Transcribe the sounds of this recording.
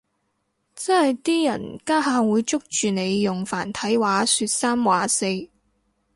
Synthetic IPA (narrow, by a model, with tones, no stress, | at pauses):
t͡sɐ˥nhɐ˨jt̪iː˥jɐ̰˨˩nkaː˥ɦaː˧wuː˨˧jt͡sʊ˥k̚t͡ʃyː˨ne˨˧jːʊ˨˩ŋfa̰ː˨˩nt̪ʰɐ˨˥jwaː˨˥sy˧t̚saː˥mwaː˨˥se˧j